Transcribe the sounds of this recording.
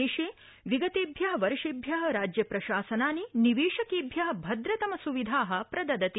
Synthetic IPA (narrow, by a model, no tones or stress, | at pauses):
eːʃeː | ʋiɡɐt̪eːbʱjɐɦɐ̆ʋɐɾʂibʱjɐɦɐ̆ɾaːd͡ʒjɐpɾɐʃaːsɐnaːniniʋeːʂɐkiːbʱjɐɦɐ̆bʱɐd̪ɾɐt̪ɐmɐsuʋid̪ʱaːɦɐ̆pɾɐd̪ɐd̪ɐt̪i